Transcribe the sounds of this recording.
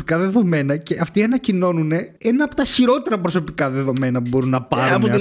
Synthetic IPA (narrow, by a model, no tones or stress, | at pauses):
ikɐðe̞ðo̞me̞nɐce̞ʔɐft̪iɐnɐcino̞nune̞enɐːpo̞̥t̪ɐçiɾo̞t̪e̞ɾɐpɾo̞so̞pikɐðe̞ðo̞me̞nɐpubo̞ɾunːɐpɐɾn